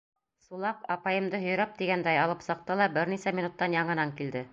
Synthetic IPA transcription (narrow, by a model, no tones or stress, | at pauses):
sulˠɑpɑpɑjɤ̆md̪ɤɦɵ̆jɾæp̚t̪iɡænd̪æjɑlˠɤpsɤ̆q̚t̪ɤlˠɑbɘɾnisæmʲinut̪ːɑnjɑɴɤ̆nɑŋkild̪ɘ